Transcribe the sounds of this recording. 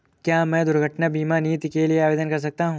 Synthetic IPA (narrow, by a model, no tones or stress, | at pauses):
kjaːmɛ̃ːd̪ʊɾɡʱəʈnabiːmaniːt̪ikelieaːʋeːd̪ənkɐɾs̬ɐk̚t̪aɦũː